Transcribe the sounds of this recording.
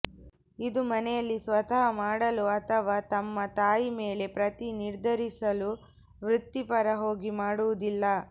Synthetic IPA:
id̪umɐnɛjɐlːisʋɐt̪ɐɦɐmaːɽɐluɐt̪ʰɐʋaːt̪ɐmːɐt̪aːjimeːle̞pɾɐt̪iniɾd̪ʱɐɾisɐlu | ʋɾut̪ːipɐɾɐɦo̞ːɡimaːɽuʋud̪ilːɐ

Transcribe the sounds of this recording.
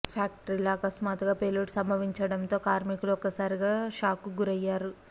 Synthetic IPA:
pʰaːkʈɐɾilɐɐkɐsmaːt̪uɡaːpeluʈsɐmbʱɐʋiɲt͡ʃɐɽɐnt̪o̞ːkaːɾmikuluɔkːɐsaːɾiɡaːʃaːkuɡuɾɐjːaːɾu

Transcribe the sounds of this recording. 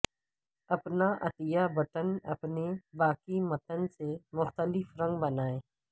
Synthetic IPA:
ɐpnaʔɐ̰t̪ɪjabɐʈənɐ̰pnebaːkimɐt̪ənsemʊxt̪əlɪfɾɐ̃ŋɡbɐnaːẽː

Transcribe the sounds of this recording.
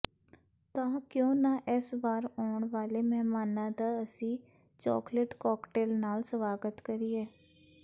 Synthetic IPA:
t̪ãːkjõːnaːʔɪsbaːɾɔːɳʋaːleːmɛɦmaːnãːd̪aːəsĩː | t͡ʃɔ̰ːkleʈkɔːkʈeːlnaːlsəʋaːɡət̪kəɾiːɛː

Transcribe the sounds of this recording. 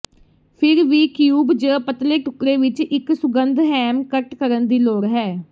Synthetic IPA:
pʰɪɾʋiːkjuːbd͡ʒəːpət̪leːʈʊkɾeːʋɪt͡ʃɪksʊɡənd̪ɦɛːmkəʈkəɾənd̪iːloːɾɦɛː

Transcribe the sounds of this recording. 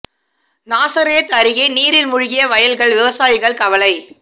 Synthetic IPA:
naːsɐɾɪjɐt̪ɐɾɪɣɐɪniːɾɪlmʊɻɪɣɪjɐʋɐjɐlɣɐɭʋɪʋɐsaːjɪɣɐɭkɐʋɐlɐɪ

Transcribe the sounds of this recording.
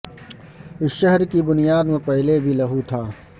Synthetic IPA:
ɪsʃəɦɾkibʊnijaːd̪mẽpɛɦlebʱilɐɦut̪ʰaː

